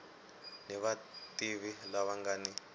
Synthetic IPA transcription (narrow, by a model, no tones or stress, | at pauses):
nɛβatʼiβilaβaŋɡani